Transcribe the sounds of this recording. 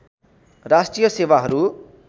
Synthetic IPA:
rasʈrijʌsewaɦʌɾu

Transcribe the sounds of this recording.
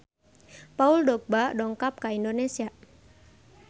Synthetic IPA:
pauldɔk̚badɔŋkap̚kaindonesia

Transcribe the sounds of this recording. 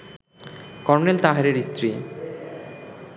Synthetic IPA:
kɔɾnelt̪aɦaɾeɾist̪ɾi

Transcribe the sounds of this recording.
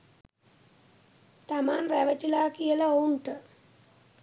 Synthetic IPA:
t̪amaːnræʋəʈilaːkijəlaouɳʈə

